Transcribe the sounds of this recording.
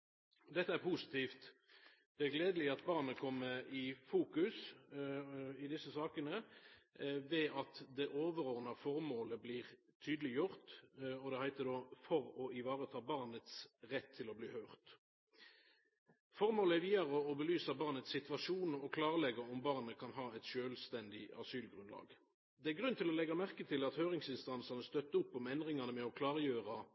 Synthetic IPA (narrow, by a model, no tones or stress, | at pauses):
d̪ɛt̪ːəæʁpʰusɪ̥t̪ʰiːft̪ | d̪̥ɛæɡleːd̪əlɪɑt̪̚bɑʁnəkʰɔmːəɪfuːkʉs | ɪd̪ɪsːəsɑːkənə | ʋɛɑt̪d̪ɛʔoːʋəʁoːʁnɑfɔʁmoːləbliːʁ | t̪ʰyːd̪əlɪjʊʁt̪ɔd̪ɛhæɪt̪əd̪oːfɔʁɔɪʋɑːʁət̪ʰɑːbɑʁnət̪sʁɛt̪ʰːɪlɔbliːhœːʁt̪ | fɔʁmoːləæʁʋiːɑʁɔːbəlyːsɑbɑʁnət̪sɪt̪ʋɑʃuːnɔkʰlɑːʁəlɛɡɑɔmbɑʁnəkʰɑnɦɑːɛt̪ʃøːlst̪ɛnd̪ɪɑ̰syːlɡʁʉnlɑ̰ːɡ | d̪ɛæʁɡʁʉnt̪ʰɪlɔlɛɡɑmæʁkət̪ʰɪlɑt̪høːʁɪŋsɪnst̪ɑnsɑnəst̪œt̪ːəʊpːɔmɛnd̪ʁɪŋɑnəmɛɔkʰlɑːʁjøːʁɑ